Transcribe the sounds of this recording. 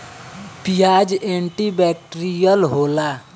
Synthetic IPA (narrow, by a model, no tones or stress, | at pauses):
pijaːd͡ʒẽːɳʈibɛːk̚ʈɾijəlɦoːlaː